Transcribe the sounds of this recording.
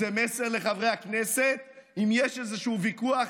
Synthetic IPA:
zemeseʁle̞χavʁejhakneset̪̚imjeʃezeʃuːvikuaχ

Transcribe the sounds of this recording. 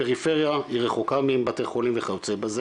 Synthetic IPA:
eʁifeʁjahiʁeχokamiembat̪eχolimveχalut͡sebaze

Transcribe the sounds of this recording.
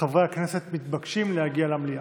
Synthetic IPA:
avejakneset̪mit̪̚bakʃimlehaɡialamlija

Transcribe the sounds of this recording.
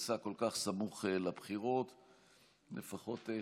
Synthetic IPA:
sako̞lkaχsamuχelabχiʁo̞t̪ | lefaχo̞t̪e

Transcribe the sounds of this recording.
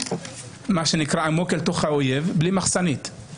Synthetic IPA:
maʃenikʁaamokelt̪o̞χhaojevblimaχsanit̪

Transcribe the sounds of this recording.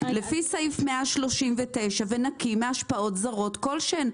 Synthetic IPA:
lefisaifmeaʃlo̞ʃimvete̞jʃavenakimeaʃpaʔo̞tzaʁo̞tko̞lʃen

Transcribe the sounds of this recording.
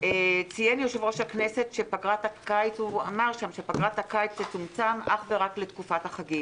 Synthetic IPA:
et͡sijenjoʃevʁo̞ʃaknese̞tʃepaɡʁatakait͡suamaʁʃamʃe̞paɡʁatakajt͡set͡sumt͡samʔaχve̞ʁakletkufataχaɡi

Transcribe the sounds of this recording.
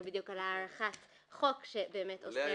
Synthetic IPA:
bid̪jukalaːʁaχat | χo̞kʃebeːmetosi

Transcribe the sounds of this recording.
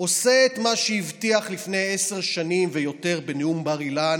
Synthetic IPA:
o̞seːt̪maʃeivtiaχlifne̞jese̞ʁʃanimvejo̞te̞ʁbeneumbaʁilan

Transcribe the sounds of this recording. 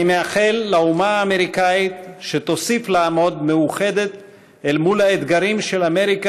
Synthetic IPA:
imeaχelːaumaːme̞ʁikait̪ʃet̪o̞siflaamo̞d̪meuχe̞d̪et̪ | elmulaed̪ɡaɾimʃelame̞ʁika

